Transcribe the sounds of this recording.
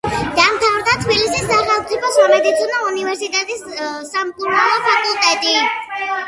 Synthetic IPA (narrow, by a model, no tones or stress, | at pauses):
d̪̥amt̪ʰavɾd̪at̪ʰbilisisːaχɛlˠmt̪ʼipʰɔsamɛd̪it̪sʰinɔunivɛɾsit̪ʼɛt̪ʼissamkʼuɾnalˠɔpʰakʼulˠt̪ʼɛt̪ʼi